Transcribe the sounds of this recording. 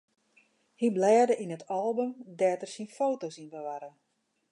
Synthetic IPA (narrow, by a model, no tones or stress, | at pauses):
hiblɛːrdəʔinətʰɔlˠbømdɛːtərsinfoːtosinbəʋaɾə